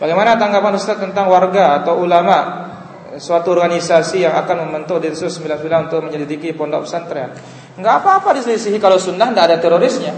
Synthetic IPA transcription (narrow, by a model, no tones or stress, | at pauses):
baɡajmanat̪aŋɡapanɾust̪at̚t̪ːənt̪aŋwarɡaːt̪awulamaʔ | suat̪uɔrɡanisasijaŋakanməmbənt̪ʊdit̪ususəmbilansəmilaunt̪ʊk̚məɲalidikipɔndɔ̰kpsant̪ɾa | ŋɡaːpaːpadisəlisiɦikalawsunːaɦndaʔadat̪eɾoɾɪsɲa